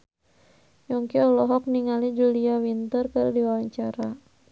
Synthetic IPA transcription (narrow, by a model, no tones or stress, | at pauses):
jɔŋkiɔlɔɦɔk̚niŋalid͡ʒuliawint̪ərkəɾdiwawaɲt͡ʃaɾa